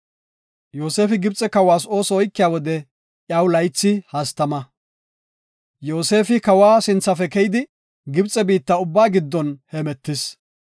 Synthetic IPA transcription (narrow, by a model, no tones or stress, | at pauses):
jo̞ːse̞ːfɪɡɪbt͡sʼɛkɐwaːs̬o̞ːsɔɔjkːɪjaːwɔd̪ɛ | ʔjɐwlɐjt͡sːɪhɐst̪ɐmɐ | jo̞ːse̞ːfɪkɐwaːsɪnt͡sːɐfɛkɛjɪd̪ɪ | ɡɪbt͡sʼːɛbiːt̪ːɐʊbːaːɡɪd̪ːɔnhɛmɛt̪ːɪs